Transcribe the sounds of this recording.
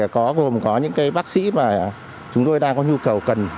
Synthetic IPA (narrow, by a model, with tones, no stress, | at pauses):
kɔ˨˦ɣo˨˩mkɔ˨˦ɲɨ̰˧˥ŋkaː˨˦jɓaː˦˥k̚sḭ˧˥maː˨˩ | t͡ɕʊ˨˦ŋ͡mt̪o˧jɗaː˧ŋkɔ˨˦ɲu˧kə˨˩wkə˨˩n